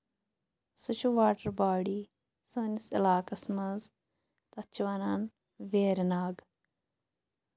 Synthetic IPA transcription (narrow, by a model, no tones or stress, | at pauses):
sut͡ʃʰuʋaːʈɐɾbaːɽiː | səːnisɪ̰laːkɐsmɐz | t̪ɐt͡ʃʰʋɐnan | ʋeːɾnaːɡ